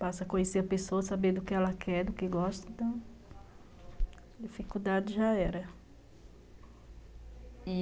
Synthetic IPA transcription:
b̥asɐkõɲeseɐpesoɐsabẽd̪ʊkɪɛlɐkʰɛɾd̪ʊkɪɡɔʃt̪ɐ̃t̪ɐ̃ | d͡ʒifikud̪ad͡ʒɪʒaɛɾɐ | i

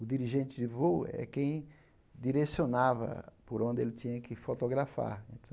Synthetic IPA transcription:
ʊd̪iɾiʒẽnt̪ɪd̪ɪvoɛ̰kẽj̃ | d̪iɾesionavɐ̰pʊɾõnd̪ɪelɪt̪ĩɲɐkɪfot̪oɡɾafa̰ɾḛ̃nt̪ɐ̃

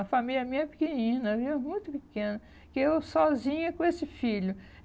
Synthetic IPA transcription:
ɐfamilʲjɐmĩɲɐpi̥kenĩnɐviwɐmũj̃t̪ʊpikẽnɐ | kɪewsɔzĩɲɐkõesɪfiʎʊ

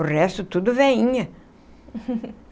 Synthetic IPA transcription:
ʊrɛst̪ʊt̪ud̪ʊvɛĩɲɐ

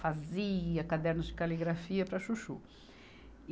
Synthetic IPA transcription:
faziɐkad̪ɛɾnɐzd͡ʒɪkaliɡɾafiɐpɾɐʃuʃṵ

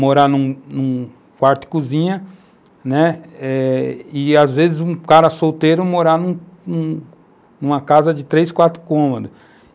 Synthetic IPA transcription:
moɾanũnũ | kwaɾt̪ɪ̥kuzĩɲɐ | nɛɛɪazvezɪzũkaɾɐsowt̪ejɾʊmoɾanũ | nũ | nũmɐkazɐd͡ʒɪt̪ɾejskwat̪ɾʊ̥kõmɐd̪ɐ

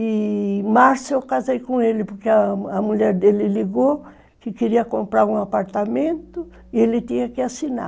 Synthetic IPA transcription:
ɪmaɾsewkazejkõelɪpoɾkeɐɐmuʎɛɾd̪elɪliɡo | kɪkeɾiɐkõmpɾaɾũapaɾt̪amẽnt̪ʊ | ɪelɪt̪ĩɲɐkɪasina̰

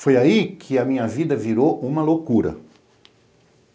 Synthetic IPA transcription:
fojaikʰɪɐmĩɲɐvid̪ɐviɾoʔũmɐlokuɾɐ̰

